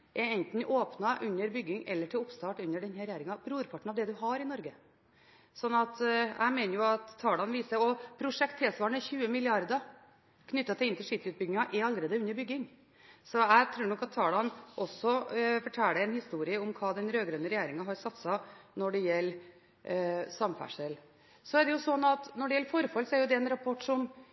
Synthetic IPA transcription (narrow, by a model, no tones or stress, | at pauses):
ʔɛɛnt̪n̩ʔoːpnɑʔʉnːəɾbʏɡːɪŋɛ̰lːəʈʰɪlʊpst̪ɑːʈʉnːəɖɛnhɛɾɛjæːɾɪŋɑbɾuːɾpʰɑʈɳ̩ɑʋd̪ɛd̪ʉɦɑɾɪnɔɾɡə | sɔnːɑt̪æ̰ɪmeːnəɾjʊɑt̪ʰːɑːɖɑnʋiːsəɾɔpʰɾʊʂɛkt̪ʰːɛsʋɑːɳəçʉːəmɪlɪɑɾd̪ə | kʰnʏt̪ːɑt̪ʰɪlɪnt̪ʰɪlʂiːt̪ʉːt̪̚bʏɡɪŋɑʔɛɾɑlːɾeːd̪əʉnːəɾbʏɡːɪŋ | sɔæɪt̪ʰɾʉːɳɔkːɑt̪ʰːɑːɖɑnʔɔsɔfɔʈʰælːəɛnhɪst̪uːɾɪəʊmkʰɑːd̪ɛnɾøːɡɾœnəɾɛjæːɾɪŋɑɦɑɾsɑt̪sɑnɔɖɛjɛlː | sɑmfæ̰ʂəl | sɔæɖɛjʊsɔnɑt̪nɔɖɛjɛlːəfɔɾfɑlsɔæɾjʊd̪ɛɛnɾɑpʰɔʈːʂɔm